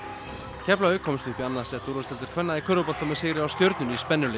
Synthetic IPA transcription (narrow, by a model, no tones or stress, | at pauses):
cʰɛplajʏkʰɔːmst̪ʏhpianːasɛt̪uɾʏst̪ɛlt̪ɪ̥ɾ̥kʰvɛnːaðikʰœːɾðʏpɔl̥t̪amɛðseːɾɪawst̪jœwɾt̪nʏnispɛnːʏle